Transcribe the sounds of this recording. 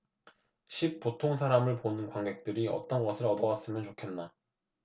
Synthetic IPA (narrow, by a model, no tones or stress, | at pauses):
ɕʰik̚p͈otʰoŋs̬ʰaɾamɯɭponɯnkwaŋɡe̞k̚t͈ɯɾiʌ̰t͈ʌnɡʌsʰɯɾʌdʌwas͈ɯmjʌnt͡ɕokʰe̞nːa